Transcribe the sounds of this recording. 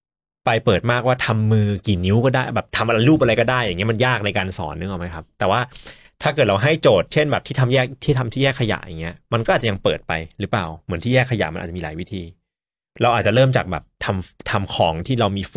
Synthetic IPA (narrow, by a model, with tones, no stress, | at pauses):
pa˧jpɤː˨˩t̪̚maː˥˩k̚waː˥˩t̪ʰa˧mːɯː˧kiː˨˩ni˨˦˥wkɔː˥˩daː˥˩jbɛː˨˩p̚t̪ʰa˧mʔa˧ɾa˧jluː˥˩p̚ʔa˧ɾa˧jkɔː˥˩daː˥˩jaː˨˩ŋːi˦˥ɐma˧njaː˥˩k̚na˧jkaː˧nsɔ̰ː˩˦nːɯ˦˥˨ma˦˥jkʰa˦˥p̚t̪ɛː˨˩waː˥˩ | t̪ʰaː˥˩kɤː˨˩t̪̚ɾa˧wɦa˥˩jt͡ɕoː˨˩t̪̚t͡ɕʰe˥˩nbɛː˨˩p̪̚ʰiː˥˩t̪ʰa˧mjɛː˥˩k̚t̪ʰiː˥˩t̪ʰa˧mt̪ʰiː˥˩jɛː˥˩kʰːa˧ja̰˨˩ʔja̰ː˨˩ŋːi˦˥ɐma˧nkɔ˥ʔːt̚t͡ɕja˧ŋpɤː˨˩t̪̚pa̰˧jɾɯ˦˥pla̰ː˨˩wmɯ˩˦nt̪ʰiː˥˩jɛː˥˩kʰːa˧ja̰˨˩ʔma˧nʔa̰ː˨˩t͡ɕiː˧laː˩˦jwi˦˥t̪ʰiː˧ | ɾa˧wʔaː˨˩t̪̚t͡ɕa˨˩ɾɤː˥˩mt͡ɕaː˨˩k̚bɛ̰ː˨˩p̚t̪ʰa˧mt̪ʰa˧mkʰɔː˩˦ŋt̪ʰiː˥˩ɾa˧wmiː˧f